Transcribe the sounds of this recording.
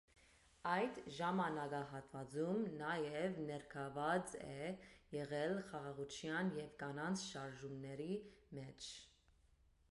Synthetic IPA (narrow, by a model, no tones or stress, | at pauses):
ɑjd̪ʒɑmɑnɑɡɑɦɑt̪vɑd͡zumnɑjɛvnɛɾkʰɑvɑd͡zɛjɛʁɛlχɑʁɑʁut͡ʃʰjɑnjɛvkɑnɑnt͡sʰʃɑɾʒumnɛɾimɛt͡ʃʰ